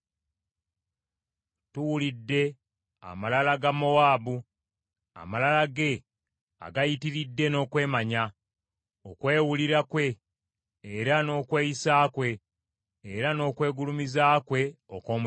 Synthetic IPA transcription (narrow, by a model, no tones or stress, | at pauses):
tuwulidːe̞ | a̰malalaɡamo̞waːbu | a̰malalaɡe̞ | a̰ɡajitiɾidːe̞no̞ːkwe̞ːmaɲa | okwe̞ːwuliɾakwe̞ː | ɾano̞ːkwe̞ːjisaːkwe̞ː | ɾano̞ːkwe̞ːɡulumizaːkwe̞okoːm